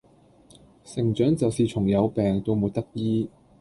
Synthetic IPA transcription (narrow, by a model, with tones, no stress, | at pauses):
sɪ˨˩ŋt͡ʃœː˨˥ŋt͡sɐ˨wsiː˨t͡ʃʰʊ˨˩ŋjɐ˨˧wpɛː˨ŋt̪o˧wmuː˨t̚t̪ɐ˥k̚jiː˥